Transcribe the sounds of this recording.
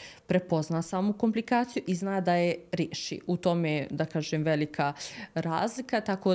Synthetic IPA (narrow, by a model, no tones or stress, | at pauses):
pɾe̞po̞znaːsaːmuko̞mplikaːt̪sijuʔiznaːd̪ajeɾjeːʃḭʔut̪o̞med̪akaːʒemʋelikʰaɾa̰ːzlikat̪ako̞